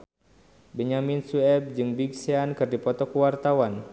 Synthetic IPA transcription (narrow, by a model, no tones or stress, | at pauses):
bɛɲaminsuɛb̚d͡ʒɨŋbiɡ̚seankɨrdipɔt̪ɔkuwart̪awan